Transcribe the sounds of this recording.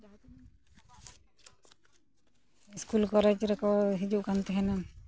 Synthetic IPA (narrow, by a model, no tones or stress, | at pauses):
d͡ʒat̪ | skulkɔɾed͡ʒɾɛkʰɔɦid͡ʒuʔkant̪ɛɦɛna